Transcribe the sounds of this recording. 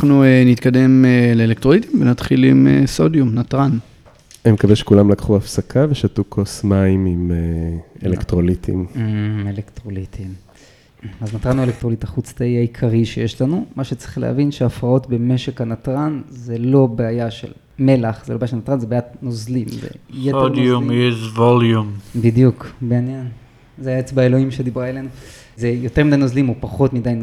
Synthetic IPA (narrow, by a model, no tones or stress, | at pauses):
nuenit̪kad̪e̞meleelekt̪ʁolit̪imvenat̪χilimḛsodjumnatʁan | emekaveʃe̥kulamlakχuafsakʰaveʃatukʰosmaimimeḛlekt̪ʁolit̪ʰḭmelektʁolit̪ʰim | aznat̪ʁanuelek̚tʁo̞litaχut͡stejaikʰaʁiʃeje̞ʃlanumaʃet͡si̥χlḛha̰vinʃeafʁao̞tbe̞me̞ʃekanatʁanzelo̞beajaʃḛl | me̞laχz̥elobjaʃelnatʁanzebeajatnozlimzḛjetodujeʃvoljumbid̪jukbeanjen | zeajaet͡sbaelo̞imʃed̪ibʁaele̞nu | zejo̞t̪emid̪ajnozlimopaχo̞tmidajn